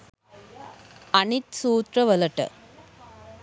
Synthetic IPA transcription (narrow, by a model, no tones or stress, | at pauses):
ɐnɪt̪suːt̪ɾɐʋɐlɐʈːɐ̰